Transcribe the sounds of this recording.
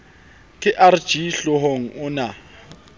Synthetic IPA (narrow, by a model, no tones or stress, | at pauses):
kʼɪʔard̥ʒ̥iɬʊɦoŋ̩ʊna